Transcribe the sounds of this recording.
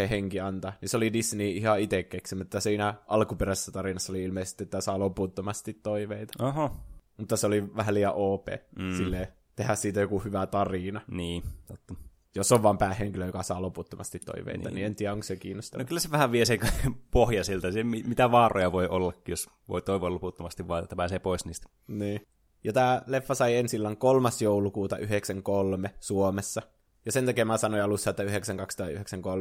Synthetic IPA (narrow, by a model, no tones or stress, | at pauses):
eheŋkiɑnt̪ɑniseolidisniːihɑit̪ekːeksimut̪ːɑsiːnæʔɑlkupeɾæse̥sːæt̪ɑrinɑsːɑoliilmeise̥st̪iet̪ːæsɑːloput̪ːomɑst̪it̪ːoiʋeit̪ɑ̥oɦɑmut̪ːɑseoliʋæhæliːɑʔoːpḛːsilːeː | t̪ehæssiːt̪æjokuhyʋæt̪ɑrinɑniːt̪ot̪ːɑ | josːoʋʋɑːmpæːheŋkiløjokɑsɑːloput̪ːomɑ̰st̪it̪ːo̰iʋḛinɑ̰nient̪iːæoŋkssekiːnːost̪ɑnokylːæseʋæhæʋʋieseŋkpohjɑsilt̪æsemimit̪æʋɑːrojɑʋoiʔolːɑkːijos | ʋo̰it̪oˑiʋoɑːloput̪ːomɑst̪iʋʋɑːḛt̪ːæpæːseːpoˑisniːst̪ | niː | jɑt̪æːlefːɑsɑiensilːɑŋkolmɑsjoulukuːt̪ɑʔyheksæŋkolmesuomesːɑ | jɑsent̪ækiemæsɑnoiɑlusːɑːet̪ːæyheksæŋkɑkst̪uɑt̪ːyheksæŋkolm